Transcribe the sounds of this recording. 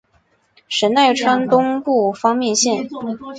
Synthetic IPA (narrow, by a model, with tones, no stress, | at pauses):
ʂə˧˥nt̪a˥˩ɪʈ͡ʂʰwa˥nt̪ʊ˥ŋpu˥˩fɑ˥ŋmjɛ˥˧nɕjɛ˥˩n